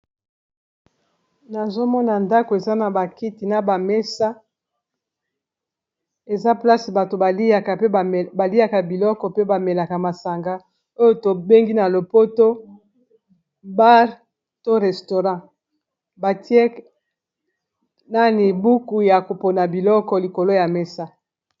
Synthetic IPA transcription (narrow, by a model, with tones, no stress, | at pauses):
na˨zo˦mɔ˦na˨nda˦ko˨e˨za˦na˨ba˨ki˦ti˨na˨ba˨me˦sa˦ | e˨za˦pla˦si˨ba˨to˨˦a˨a˨˦˨ba˨li˦a˦ka˨bi˨lɔ˦kɔ˨pe˦ba˨me˨la˨ka˨ma˨sa˨ŋɡa˦ | o˦jo˦to˨be˦ŋɡi˦na˨lo˨po˦to˦ | ba˦ʁ | to˦ʁɛ˨sto˨ʁɑ̃˦ | ba˨ti˦e˦ | na˦ni˨bu˦ku˦ja˨ko˨po˨na˨bi˨lɔ˦kɔ˨li˨ko˨lo˦ja˨mɛ˦sa˦